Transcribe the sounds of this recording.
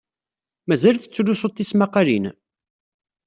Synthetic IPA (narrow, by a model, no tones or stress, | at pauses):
mæzælθə̥t͡sːulːusot̪ˤːismɑqːɑlin